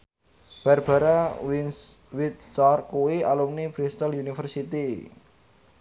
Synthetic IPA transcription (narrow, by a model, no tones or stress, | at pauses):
b̥arb̥a̤ɾa | wit̪̚t͡ʃɔrkuwialumnib̥ɾist̪əlunifərsit̪i